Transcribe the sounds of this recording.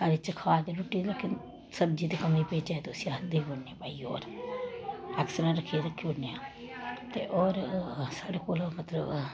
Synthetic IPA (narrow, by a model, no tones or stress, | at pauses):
saːɾiːt͡ʃəkʰaːd̪eɾʊʈːiːlekɪn | səb̚d͡ʒiːt̪ekəmiːpeːt͡ʃɛt̪eʊsĩaːd̪iːbonːepaːiːo̰ːɾ | ɛːksəɾãːɾəkʰːiɾəkʰːionːeːa | t̪ḛːʔɔːɾsaːɽeːkoːlmət̪ləb